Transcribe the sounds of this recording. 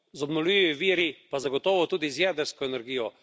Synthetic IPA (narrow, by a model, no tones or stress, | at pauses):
zɔbnɔliʋiʋiːɾipazaɡɔt̪ɔːʋɔt̪uːd̪izjɛːd̪əɾskɔɛnɛɾɡiːjɔ